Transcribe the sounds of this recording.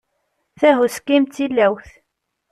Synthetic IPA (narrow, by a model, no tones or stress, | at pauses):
θæɦuskːimt̪ːilːæwθ